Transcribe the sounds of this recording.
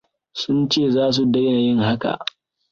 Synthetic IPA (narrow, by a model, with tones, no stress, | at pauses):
sʊ˦nt͡ʃeː˦˨zaː˦s̬u˨dɐ˦jna˨jɪ˦ŋɦa˦ka̰˨ʔ